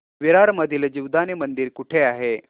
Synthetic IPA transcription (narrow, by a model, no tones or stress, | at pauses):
ʋiɾaɾməd̪ʱild͡ʑiʋd̪anemənd̪iɾkuʈʰeaɦe